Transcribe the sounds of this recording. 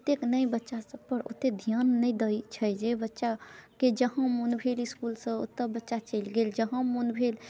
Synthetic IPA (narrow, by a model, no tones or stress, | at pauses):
t̪eknəjbətːʃasəpəɾo̰t̪ed̪ʱjanːəjd̪əjt͡ʃʰəjd͡ʒebətːʃaked͡ʒəɦə̃munbʱeliskulsə̃o̰t̪ːəbətːʃat͡ʃəjlɡeld͡ʒəɦə̃munbʱel